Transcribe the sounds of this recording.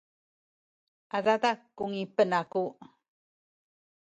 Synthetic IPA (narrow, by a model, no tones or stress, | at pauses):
aðad̪akːuŋipənaku